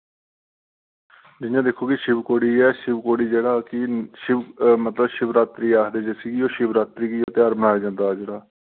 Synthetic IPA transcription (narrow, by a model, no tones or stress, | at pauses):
d͡ʒɪjãːd̪ekʰːoːkɪʃɪbkoːɽiːɛːʃɪbkoːɽiːd͡ʒeːɽaːkɪʃɪbmət̪ləbʃɪbɾaːt̪ɾiːaːɦd̪eːd͡ʒeːsiɡiːoːʃɪbɾaːt̪ɾiːɡiːoːt̪ɪaːɾbəɽaːeːd͡ʒãːnd̪aːd͡ʒeːɽaː